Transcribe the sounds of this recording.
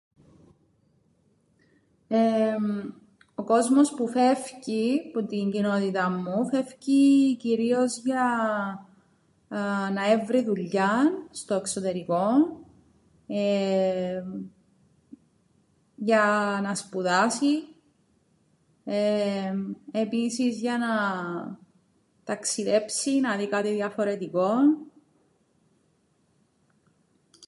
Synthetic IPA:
e | o̞ko̞zmo̞spufe̞fciput̪iɲɟino̞t̪it̪ɐmːufe̞fciciɾio̞zʝɐ | nɐe̞vɾiðuʎːɐnst̪o̞ekso̞t̪e̞ɾiko̞n | e | ʝɐnɐspuðɐsi | e | e̞pisizʝɐnɐɐ | t̪ɐksiðe̞psinɐðikɐt̪iðjɐfo̞ɾe̞t̪iko̞n

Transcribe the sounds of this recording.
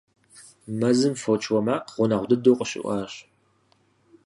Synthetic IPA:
mɐzɨmfot͡ʃʰʼwɔmaːqʁʷʊnɐʁʷdɨdoːqʷʼəɕʼɪ̰ʔʷɑːɕ

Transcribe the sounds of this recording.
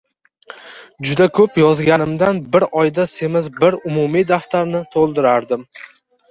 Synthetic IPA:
d͡ʒʊd̪akʰɵpjɒzɡʲanɪmd̪anbɪɾɒjd̪ase̞mɪzbɪɾʊmʊmid̪aft̪ʰaɾnɪt̪ʰolˠd̪ɪɾaɾd̪ɪm

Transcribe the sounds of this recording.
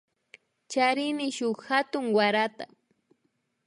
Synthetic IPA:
t͡ʃaɾɪnɪʃʊkhat̪ʊŋwaɾat̪a̰

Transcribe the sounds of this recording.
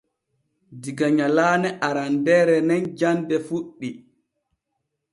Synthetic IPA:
diɡaɲalaːnɛʔaɾandɛɾɛnɛnd͡ʒandɛfuɗːi

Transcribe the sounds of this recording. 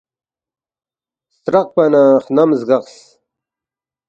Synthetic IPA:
st̪ɾɐq̚pɐnaːχnɐmzɡɐqs

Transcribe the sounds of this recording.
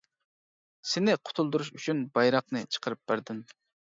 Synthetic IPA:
sɪnɪqʰʊ̥t̪ʰulˠd̪uɾuʃyt͡ʃʰynbɑjɾɑqnɨt͡ʃʰə̥qʰəɾɨp̚b̥æɾd̪ɪn

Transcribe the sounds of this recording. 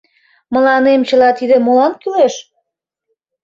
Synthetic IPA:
mə̆lɑnemt͡ɕə̆lɑt̪id̪ĕmolɑnkyleʃ

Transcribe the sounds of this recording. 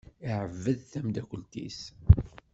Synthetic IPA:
iʕəvːəðθæmd̪ækʷəlt̪ḭs

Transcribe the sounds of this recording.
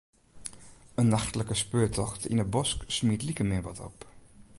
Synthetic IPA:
ənːaxtələkəspøːtʰɔxtḭnəbɔsksmiətlikəmɪəʋɔtʰɔ̰p

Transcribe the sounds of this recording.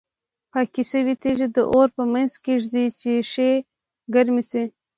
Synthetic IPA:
pɑkisəwit̪eʐid̪əʔoɾpəmanzkeʐd̪it͡ʃeʂe | ɡaɾmisi

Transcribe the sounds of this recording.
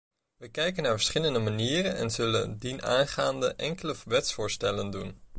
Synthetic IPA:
ʋəkɛjkənːaːɹvəɹsχɪləndəmaniːrənɛ̰nzɵlə̰ndinaːnχaːndə̰ʔɛŋkələʋɛtsfʊːɹstɛləndun

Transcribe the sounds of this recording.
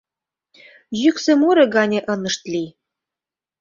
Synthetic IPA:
ʑyksĕmuɾĕɡɑnʲeʔɤ̆nɤ̆ʃt̪lʲi

